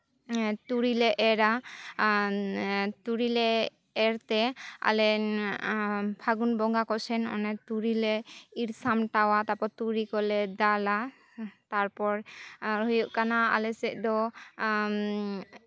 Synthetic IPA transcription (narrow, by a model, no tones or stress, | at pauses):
t̪uɾilɛʔɛɾa | t̪uɾilɛː | ɾt̪ɛa̰lɛ | pʰaɡunbɔŋɡakɔsɛnɔ̰nɛt̪uɾilɛiɾsamʈawat̪apɔt̪uɾikɔlɛd̪ala | t̪aɾpɔɾɦujɔʔkanaa̰lɛsɛʔd̪ɔ